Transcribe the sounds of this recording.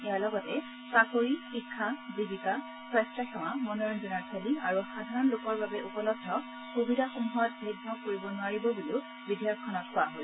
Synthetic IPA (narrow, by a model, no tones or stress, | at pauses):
ɛjalɔɡɔtɛ | sakoɹixikʰːabiɡita | sɹɛstɹaxɔw̃amɔnɔɹɔndunaɹsʰeliaɹuxadʱaɹɔnlokɔɹbabɛʔupɔlɔb̚dʱɔ | kobidaxumuɦɔt̚bʱeɡnɔkoɹibɔnʊwaɹibɔbuli | bidʱijɔkʰːɔnɔk̚pʊaɦoj